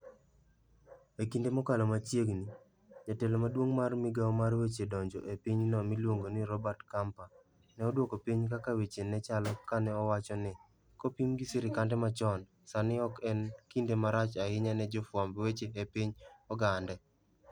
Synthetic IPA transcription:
ekindemɔkalɔmat͡ʃjeɡni | ɲatɛlɔmadwoŋmarmiɡaɔmarwet͡ʃedɔɲd͡ʒɔʔepiɲnɔmilwoŋɡonɪɾɔbartkampa | nɛɔdwokopiɲkakawet͡ʃenɛt͡ʃalɔkanɛɔwat͡ʃɔnɪ | kɔpimɡisɪɾɪkandɛmat͡ʃɔn | sanɪɔkɛnkindemaɾat͡ʃaɪɲanɛd͡ʒɔfwambwet͡ʃeːpiɲɔɡandɛ

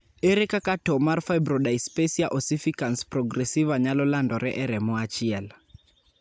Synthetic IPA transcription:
eɾekakatɔmarfaibɾɔɗajspesiaʔɔsifikansprɔɡɾɛsivaɲalɔlandɔɾɛʔɛɾɛmɔat͡ʃiɛl

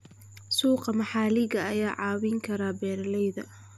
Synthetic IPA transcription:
suːqɑmɐħɑːlɪɣɐɐjaːʕɑːwɪŋkʰɐɾaːbɛːɾlɛjðɐ̰

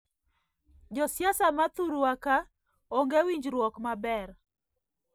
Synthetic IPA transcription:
d͡ʒɔsjasamat̪uɾuwaka | ɔŋɡewiɲd͡ʒɾwɔkmabɛr

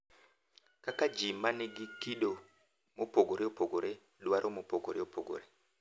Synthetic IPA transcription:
kakad͡ʒimaniɡikiɗo | mopoɡoɾeopoɡoɾe | ɗwaɾʔomopoɡoɾeopʰoɡo̰ɾe

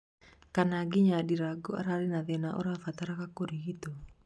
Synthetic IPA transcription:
kanaɡiɲadiɾaɡua̰ɾaɾinad̪enaʔɔ̰ɾafat̪aɾakakuɾiɦit̪u

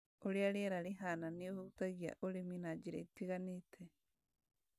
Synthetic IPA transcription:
oɾiaɾeɾaɾiɦananiohutaɣia̰ʔoɾiminad͡ʒiɾaitiɣanitʰe

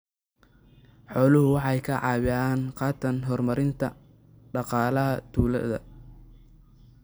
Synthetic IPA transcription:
ħɔːlʊɦʊwɑħjkʰɐʕɑːwɪaːnqɑːt̪ʰɐnɦɔrmɐɾɪnt̪ʰɐ̰ | ɖɑqɑːlɐɦɐt̪ʰuːlɐ̰ðɐ̰

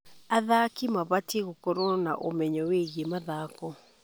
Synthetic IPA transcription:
aðakimaβateɣokɔɾɔna̰ʔo̰mɛɲɔweɣiemaðakɔ

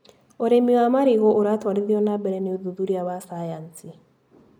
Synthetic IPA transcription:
oɾemiwamaɾiɣɔʔoɾatwaɾiðiɔnabɛɾɛneoðuðuɾiawasajansi

